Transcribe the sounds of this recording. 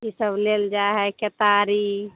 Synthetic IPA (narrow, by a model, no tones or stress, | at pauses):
isəbleld͡ʒaɦɛket̪aɾi